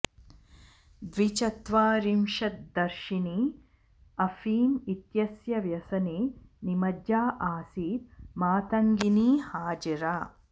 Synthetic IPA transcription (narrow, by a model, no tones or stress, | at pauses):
d̪ʋit͡ʃɐt̪ʋaːɾimʃɐt̪̚d̪ɐɾʃini | ɐfiːmit̪jɐsjɐʋjɐsɐninimɐd͡ʒaːʔaːsiːt̪maːt̪ɐŋɡiniːhaːd͡ʒɐɾaː